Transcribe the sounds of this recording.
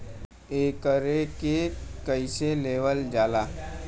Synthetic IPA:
eːkəɾekekəɪseleːʋəld͡ʒaːlaː

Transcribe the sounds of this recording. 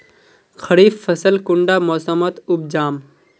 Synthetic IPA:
xʰɐɽiːfːɐsəlkʊɳɖaːmoːsəmɐt̪ub̚d͡ʒaːm

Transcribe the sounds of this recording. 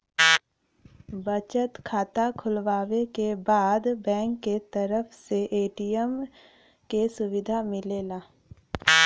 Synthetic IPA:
bət͡ʃət̪kʰaːt̪akʰʊlʋaːʋekebaːd̪bɛ̃ːŋkːet̪əɾəfseʔeːʈijəm | kesʊʋɪd̪ʱamɪleːlaː

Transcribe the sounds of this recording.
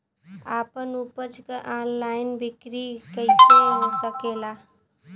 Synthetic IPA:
apənupəɾt͡ʃkəʔanlaɪnbʱikɾikəɪtʰeɦosəkela

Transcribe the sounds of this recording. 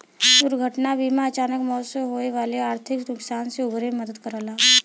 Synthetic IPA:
d̪ʊɾɡʱəʈnabʱimãɐt͡ʃaːnəkmɔːsəɦoeʋaːleaːɾt̪ʰɪkd̪ʊksaːnseʊbɾeməd̪əd̪kəɾaːlaː

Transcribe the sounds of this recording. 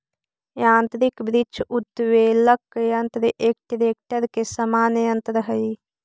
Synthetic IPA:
jaːnt̪ɾikbɾit͡ʃʰut̪ːʋeːlɐkːjɐnt̪ɾɨʔeːk̚ʈiɾeːk̚ʈɐɾkesɐmaːnɐjɐnt̪ɾɐɦɐj

